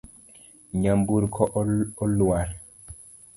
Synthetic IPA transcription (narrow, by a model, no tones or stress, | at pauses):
ɲambuɾkʰɔɔlːuwaɾ